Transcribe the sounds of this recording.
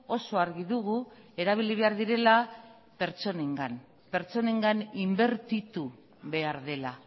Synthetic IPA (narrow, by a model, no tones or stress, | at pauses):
o̞so̞aɾɣiðuɣue̞ɾaβ̞iliβe̞aɾðiɾe̞la | pe̞ɾt͡ʃo̞ne̞ŋɡan | pe̞ɾt͡so̞ne̞ŋɡanimbe̞ɾt̪it̪u | βe̞aɾðe̞la